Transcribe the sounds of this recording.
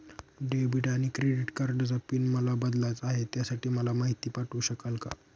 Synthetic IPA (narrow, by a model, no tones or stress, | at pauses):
ɖebiɖaɽ̃ikɾeɽiʈkaɾɖəd͡zapiːnməlabəd̪lat͡saɦet̪jasaʈiːməlamaɦit̪iːpaʈuɕəkəlka̰